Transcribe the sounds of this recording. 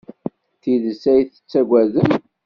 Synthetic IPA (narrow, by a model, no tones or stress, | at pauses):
θiðəsæjθə̥t͡sːæɡʷæðəm